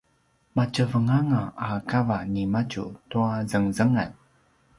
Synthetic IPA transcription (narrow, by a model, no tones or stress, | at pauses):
mat͡ʃəvəŋaŋaakavanimat͡ʃṵtuazəŋzəŋən